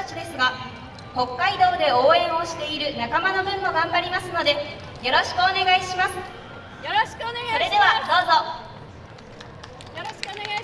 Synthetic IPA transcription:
at͡ɕid̪e̞sɨɡa | ho̞kːaid̪o̞ːd̪e̞o̞ːẽ̞ɰ̃o̞ɕi̥t̪e̞iɾɯ̟nakamano̞bɯ̟̃mːo̞ɡãmbaɾʲimasɨno̞d̪e̞ | jo̞ɾo̞ɕi̥kɯ̟one̞ɡaiɕimasɨ̥ | oɾe̞d̪e̞βad̪o̞ːzo̞

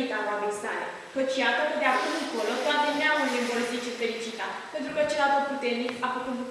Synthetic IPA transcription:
it̪anoabejsa̰lḛ | kət͡ʃjat̪əkəd̪eakumɨŋko̞lo̞t̪oat̪eneawunemboɾəsit͡ʃefe̞ɾit͡ʃit̪ape̞nt̪ɾukət͡ʃe̞lat̪ot̪̚put̪e̞rnikafəkut̪b̪u

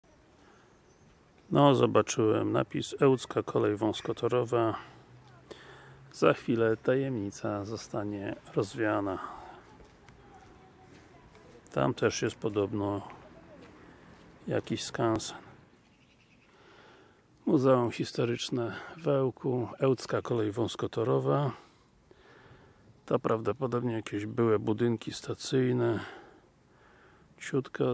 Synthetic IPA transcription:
nɔzɔbat͡ʂɘwɛ̰mna̰pʲisɛwt̪skakʰɔlɛjvɔ̃w̃skɔt̪ʰɔɾɔva | z̥axfʲilɛt̪ajɛmɲit̪sazɔst̪aɲɛɾɔzvʲjana | t̪ʰa̰mt̪ʰɛʂjɛst̪̚pɔd̪ɔbnɔ | ja̰kʲiɕskansɛ̥n | muzɛumxʲist̪ɔɾɘt͡ʂnɛvɛwkuɛwt̪skakɔlɛjvɔ̃w̃skɔt̪ɔɾɔva | t̪apɾʔavd̪ɔpɔd̪ɔbɲɛjakʲeʑbɘwɛbud̪ɘŋkʲist̪at̪sɘjnɛ | t͡ɕut̪ka

